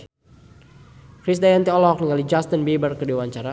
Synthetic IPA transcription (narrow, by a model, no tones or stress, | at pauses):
kɾisdajant̪iɔlɔk̚niŋalid͡ʒast̪ənbebərkədewaɲt͡ʃaɾa